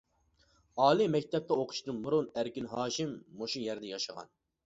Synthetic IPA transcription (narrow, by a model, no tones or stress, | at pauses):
ɑːlˠimɛkʲt̪ʰɛp̚t̪ɛoqʰʊ̥ʃt̪ɨnmʊɾʊnæɾkʲinɦɑːʃɪmːoʃujæɾd̪ɛjɑʃəʁɑ̰n